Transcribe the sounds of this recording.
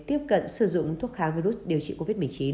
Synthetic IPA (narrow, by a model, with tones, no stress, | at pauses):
t̪i˦˥əp̚kə̰˧˨nsɨ˨˩zʊ̰˧˨ŋ͡mt̪ʰu˦˥ət̚xaː˨˦ŋvi˧ɾu˦˥sɗi˨˩əwt͡ɕḭ˧˨ko˧˦vi˦˥t̚mɨ˨˩t͡ɕi˨˦n